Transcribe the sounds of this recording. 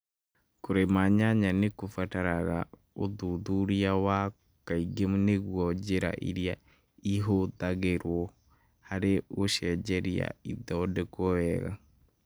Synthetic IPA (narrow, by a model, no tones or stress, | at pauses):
koɾemaɲaɲanekofataɾaɣa̰ | oðuðuɾiawa | kaiɡemneɣwɔd͡ʒeɾa̰ʔḭɾja | iɦoðaɣeɾwɔ | haɾeoʃɛd͡ʒɛɾia̰iðɔdɛkɔɛɣa̰